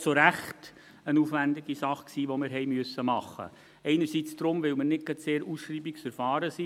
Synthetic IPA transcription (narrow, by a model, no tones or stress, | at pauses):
soɾæχt | ənuːfʋænd̪ɪɡisɑχksiːʋɔmɪɾɦɛjmyəsːəmɑχːə̰ | ɛɪnəɾsit͡sd̥ɾʊmʋɪwmɪɾnɪt̚ɡ̥ɑtseːɾusʃriːbiksfəɾfɑːɾəsi